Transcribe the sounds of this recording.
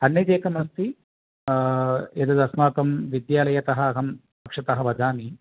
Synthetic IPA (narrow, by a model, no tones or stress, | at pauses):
ɐnːjɐd̪eːkɐmɐst̪i | jɐd̪ɐd̪ɐsmaːkɐmʋid̪jaːlɐjɐt̪ɐɦɐɐɦɐm | pɐkʂɐt̪ɐɦɐʋɐd͡ʒaːmi